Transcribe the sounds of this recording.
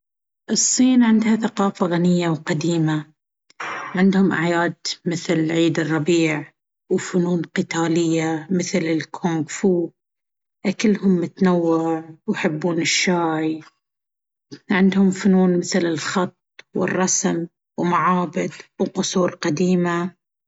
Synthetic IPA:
ʔɨsˤːiːnʕɪnd̪haθaqɑːfaɣanɪjːawqad̪iːma | ʕɪnd̪hʊmʔa̰ʕjaːd̪mɪθlʕiːd̪ɨrˤːɑbiːʕ | wfʊnuːnqɪt̪aːlɪjːamɪθlɪlkʰoːŋɡfuː | ʔakɪlːhʊmːʊt̪nawːɪʕwjħɪbːuːnɪʃːaːj | ʕɪnd̪hʊmfʊnuːnmɪθlɪlxɑt̪̚ˤːwɪ̰rˤːɑsm | wmaʕaːbɪd̪wqʊsˤuːɾqad̪iːma

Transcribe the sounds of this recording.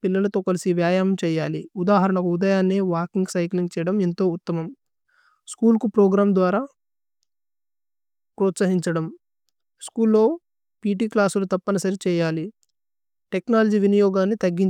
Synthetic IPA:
pilːɐlɐt̪o̞ːkɐlisiʋjaːjaːmɐmt͡ʃɛːjaːliud̪aːɦɐɾɐɳɐkud̪ɐjaːnːeːʋaːkiŋɡsɐjkliŋɡt͡ʃɛːjɐɽɐment̪o̞ːut̪ːɐmɐm | skuːlkupɾɔːɡɾaːmd̪ʋaːɾaː | pɾot̪sɐɦiɲt͡ʃɐɽɐm | skuːlːo̞ː | piːʈiːklaːsulut̪ɐpːɐnɐsɐɾit͡ʃɛːjaːli | ʈe̞knaːlɐd͡ʒiʋinijɔːɡaːnːit̪ɐɡːiɲ

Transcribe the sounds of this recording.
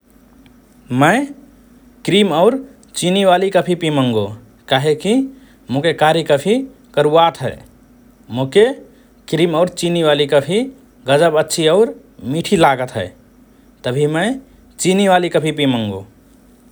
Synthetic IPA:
mə̃ɪ | kɾiməʊɾ | t͡ʃiniʋalikəpʰipiməŋɡo | kaɦeki | mokekaɾjikəpʰi | kəɾuat̪ɦə̰ɪ | moke | kɾimaʊɾt͡ʃiniʋalikəbʰʱi | ɡəd͡ʒəbətːʃʰiəʊɾ | miʈʰilaɡət̪ɦə̰ | t̪əbʱimə̃ | t͡ʃiniʋalikəbʰʱipimə̃ŋɡo̰

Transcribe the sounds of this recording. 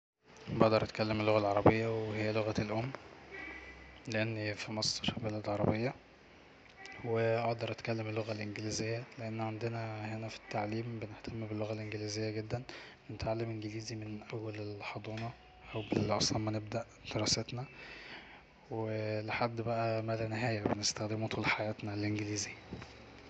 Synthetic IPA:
beʔd̪ɑɾˤʔæt̪kælːemelːoɣælʕɑɾˤɑbejːæweɦejːæloɣælʔomː | leʔenːfimɑsˤɾfibelæd̪lʕɑɾˤɑbejːɑ | weʔɑʔd̪ɑɾˤʔæt̪kælːemelːoɣælʔenɡelizejːæleʔenːʕand̪enæhenæfi̥t̪ːaʕliːmbeneht̪ʰæmːbelːoɣælʔenɡelizejːæɡed̪ːænbenet̪ʕalːemʔenɡeliːzimenʔæwːælelħɑd̪ˤuːnɑ | ʔæwbelʔɑsˤlɑmmæneb̚d̪æʔ | d̪̥eɾˤɑːset̪næ | weleħad̪ːbæʔæmælæneɦæːjæbenest̪æxd̪emot̪ʰˤuːlħajæːt̪nælʔenɡeliːzejæ

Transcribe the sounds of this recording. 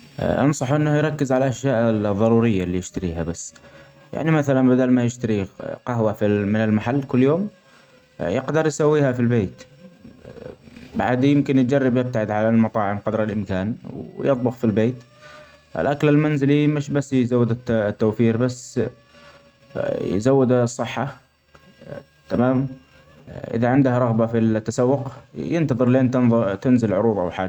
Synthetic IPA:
ʔɑ̰nsˤɑħʔɪnːahjɾˤɑkːɪzʕalaʔaʃjaːʔðˤːɑɾˤuːɾɪjːaliːjɪʃt̪aɾiːɦabasː | ja̰ʕnimaθalanbɪd̪aːlmajɪʃt̪aɾiqɑɦwafimɪnɪlmaħalːkʊlːjoːm | jɪqd̪ɑɾˤjsawːiːhafilbeːt̪ | ba̰ʕd̪jɪmkɪnj̚d͡ʒɑrˤːɑbjɪb̚t̪aʕɪd̪ʕalalmɑt̪ˤɑːʕɪmqɑd̪ɾɪlʔɪmkaːnwjɨt̪ˤbʊxfilbeːt̪ | ʔɪ̰lʔaklalmanzɪlimɪʃbasːjzawːɪd̪ɪt̪t̪ːoːfiːɾbasː | j̰zawːɪd̪sˤːɨħːa | t̪amaːm | ʔɪ̰ðaʕɪnd̪ahaɾˤɑɣbafilt̪ːasawːʊqjɪnt̪ɑðˤɨɾleːnt̪nt̪ɪnzɪlʕʊɾuːðˤʔa̰wħaːd͡ʒ

